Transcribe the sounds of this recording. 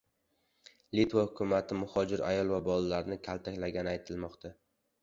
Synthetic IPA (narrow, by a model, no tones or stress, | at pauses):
lɪt̪vahʊkʲʰʊmat̪ʰɪmʊhɒd͡ʒɪɾa̰jɒlˠvabɒlalaɾnɪkʲʰalˠt̪ʰakʲlaɡʲanɪajt̪ʰɪlmɒqt̪ʰa